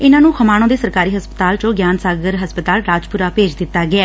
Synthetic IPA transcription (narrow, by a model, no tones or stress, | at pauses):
ɪnãːnũːkʰəmaːɽ̃õːd̪eːsəɾkaːɾiːɦəspət̪aːlt͡ʃõːɡjaːnsaːɡəɾɦəspət̪aːlɾaːd͡ʒpʊɾaːpeːd͡ʒd̪ɪt̪ːaːɡɪaː